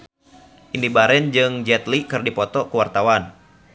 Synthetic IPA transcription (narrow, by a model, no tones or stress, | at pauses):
ʔindibaɾɛnd͡ʒɨŋd͡ʒɛt̪likɨrdipɔt̪ɔkuwart̪awan